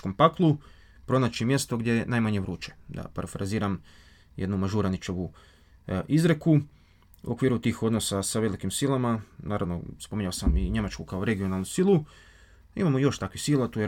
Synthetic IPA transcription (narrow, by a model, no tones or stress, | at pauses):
kompaklˠu | pɾo̞nat͡ʃimje̞st̪o̞ɡd̪ʲje̞enajmaɲe̞ʋɾuːt͡ʃe̥d̪a̰pa̰ɾafɾaziːɾam | je̞d̪numaʒuɾanit͡ʃoʋu | ʔizɾe̞ku | ṵʔo̞kʋiːɾut̪iːxo̞d̪no̞sasaʋe̞likimsilˠamanaːɾa̰ʋno̰spomiɲaosamiɲe̞mat͡ʃkukao̞ɾe̞ɡijo̞nalˠnusilˠu | imamojo̞ʃt̪akʋisilˠat̪uːje